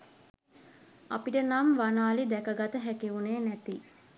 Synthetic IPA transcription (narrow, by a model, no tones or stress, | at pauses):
a̰piʈənamʋanaːlid̪ækəɡat̪əɦækeuneːnæt̪i